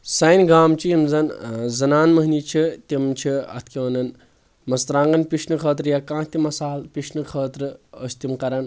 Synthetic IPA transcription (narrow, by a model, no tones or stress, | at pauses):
sɐjnʲɡaːmt͡ʃʰijimzɐnzɐnaːnmɐɦnit͡ʃʰit̪ʲimt͡ʃʰiɐ̰t̪ʰkʲiʋɐnɐn | mɐst̪ɾãːŋɡɐnpiʃnɨkʰəːt̪̬ɾjakãːt̪ʲimɐsaːlpʲiʃnɨkʰəːt̪ɾɨəst̪imkɐɾɐn